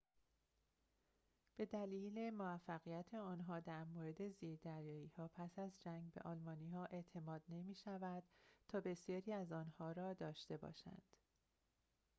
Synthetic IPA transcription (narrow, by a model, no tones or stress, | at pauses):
b̥e̞d̪æliːle̞moæfːæɣijæt̪ʰeɒːnɦɒːd̪æɾmoːɾe̞d̪e̞ziːɾd̪æɾjɒːiːhɒːpʰæsæzd͡ʒæŋɡbe̞̰ʔɒːlmɒːniːhɒːʔe̞ʔt̪ʰe̞mɒːd̪ne̞miːʃævæd̪̥t̪ʰɒːbe̞sjɒːɾiːæzɒːnhɒːɾɒːd̪ɒːʃt̪e̞bɒ̰ːʃæ̰nd̪̥